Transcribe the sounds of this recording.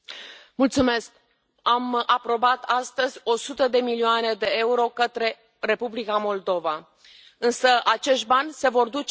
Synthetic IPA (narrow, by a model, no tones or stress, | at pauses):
mult̪sume̞sk̚ | amapɾo̞bat̪ast̪əzʲo̞sut̪əd̪e̞milioane̞d̪e̞e̞uɾo̞kət̪ɾe̞ | re̞publikamo̞ld̪o̞va | ɨnsəʔat͡ʃe̞ʃt̪̚banʲse̞vo̞rd̪ut͡ʃ